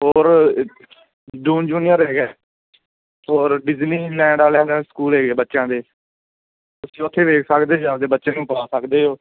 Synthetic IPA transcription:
ɦɔːɾ | ɖuːnd͡ʒuːnɪjəɾɦeːɡɛː | ɔːɾɖɪzniːlɛ̃ːɳɖaːleaːlaːskuːlɦeːɡeːbətːʃjãːd̪eː | t̪ʊsĩːʊt̪ʰːeːʋeːkʰsəkd̪eːd͡ʒãːd̪eːbət̪ːʃeːnũːpaːsəkd̪eːɦoː

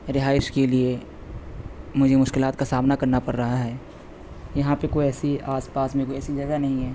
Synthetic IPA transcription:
ɾɪɦaːɪʃkelie | mʊd͡ʒʱemʊʃkɪlaːt̪̚kasaːbnakɐɾnapɐɾːɐɦaɦɛː | jɐɦãpekoiɛːsiaːspaːsmẽkoiɛːsid͡ʒɐɡanɐɦĩɦɛː

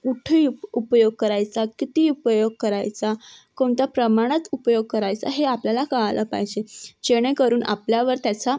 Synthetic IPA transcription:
kuʈʰəuupjoɡ̚kəɾajt͡sakit̪iupəjoɡ̚kəɾa̰jt͡sakoɳt̪japɾəmaɽ̃ət͡supjoɡ̚kəɾajt͡sa̰ɦeapljalakaɦaləpaɦjd͡ʑed͡ʑeɽ̃ekəɾuːna̰pljaʋəɾt̪jat͡sa

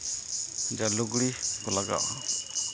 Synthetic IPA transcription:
d͡ʒaluɡɽikɔlaɡa̰ʔa

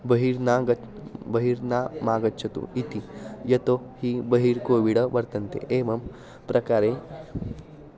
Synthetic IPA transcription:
bɐɦiɾnaːɡɐ | bɐɦiːɾnaːmaːɡɐtːt͡ʃʰɐt̪ṵit̪ijɐt̪ohibɐɦiɾkoːʋiɽɐʋɐɾt̪ɐnt̪ḛʔeːmɐm | pɾʔɐkaːɾe

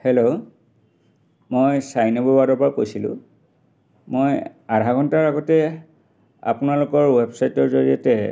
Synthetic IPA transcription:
helo | mojsajnɔbɔwadɔɹpɹakojsilʊ̰̃ | mojadʱaɡɔntaɹaɡɔtɛ | a̰pʊnalʊkɔɹwebsajtɔɹzoɹiɔtɛ

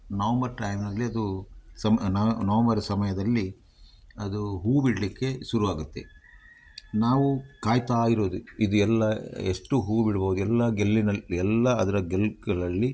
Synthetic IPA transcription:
nɐʋɐmbɐɾʈɐjmnɐlːiɐd̪usɐmnɐnɐʋɐmbɐɾɐsɐmɐjɐd̪ɐlːi | ɐd̪uɦuːbiɽɐlikːe̞ʃuɾuʋaːɡut̪ːe̞̰ | naːʋukaːjt̪ɐaːɡiɾoːd̪uid̪uɛlːɐeʂʈuɦuːbiɽɐboːud̪uɛlːɐɡelːinɐɛlːɐɐd̪ɐɾɐɡelɡɐɭɐlːi

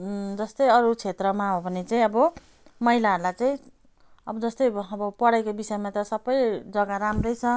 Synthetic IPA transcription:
d͡zʌst̪ʌjʌɾut͡sʰet̪rʌmaɦobʱʌnet͡saĩʌbʌ | mʌɦilaɦʌɾulajt͡saĩ | ʌbʌd͡zʌst̪ʌjʌbʌpʌɽajkobisʌemat̪ʌsʌbʌjd͡zʌɡaɾamrʌjt͡sʰʌ

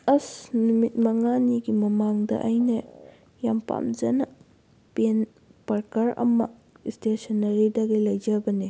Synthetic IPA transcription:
ɐsnumit̚mɐŋaniɡimɐmaŋdɐ̰ʔajnɐ | jampa̰mzɐnɐ | pen | pɐɾkaɾɐ̰mɐ̰ | istesɐnːɐɾidaɡelɐjzabɐne

